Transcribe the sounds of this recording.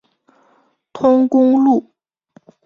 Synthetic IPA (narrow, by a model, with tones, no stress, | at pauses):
t̪ʰʊ˥ŋkʊ˥ŋlu˥˨